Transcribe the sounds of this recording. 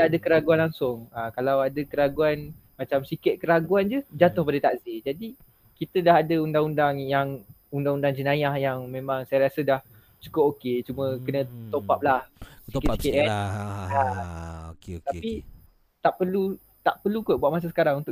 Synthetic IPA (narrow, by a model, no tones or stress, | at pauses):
aadəkəɾaɡuanlaŋsʊŋakalawadəkəɾaɡuan | mat͡ʃamsikɪt̪̚kəɾaɡuand͡ʒəd͡ʒat̪ʊhp̬adət̪aʔzid͡ʒadi | kit̪ədaɦadəundaŋundaŋjaŋ | undaŋundaŋd͡ʒənajahjaŋmẽmãŋsajaɾiasədah | t͡ʃu̥kʊp̚oket͡ʃumə̃kənə̃t̪opap̚lahsikikɪt̚kaa | t̪ai | t̪aʔpərlu | t̪aʔpərlukʊbuaʔ̪̚mas̬asə̥kaɾaŋunt̪ʊ